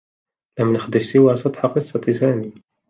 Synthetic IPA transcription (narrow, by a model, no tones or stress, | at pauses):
læmnəxd̪əʃsəwasˤɑt̪ˤħɑqəsˤːɑt̪isæːni